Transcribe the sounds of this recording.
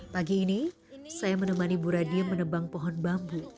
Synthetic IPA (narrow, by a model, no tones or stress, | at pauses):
paɡiːni | sajamənəmanibuɾadiamənəbaŋpɔɦɔnbambu